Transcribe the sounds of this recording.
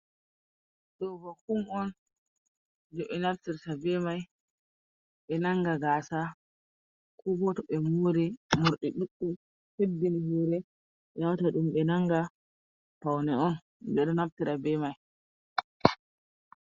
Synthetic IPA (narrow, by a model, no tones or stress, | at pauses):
ɗɔbahumɔn | d͡ʒɔʔɛnaftiɾtabɛmaj | ɓɛnaŋɡaɡaːsa | kʰubɔtɔɓɛmoɾimuɾɗiɗuɗːu | hebːinihuːɾɛ | jawtaɗumɓɛnaŋɡa | pawnɛɔn | bɛɗɔnaftiɾabɛmaj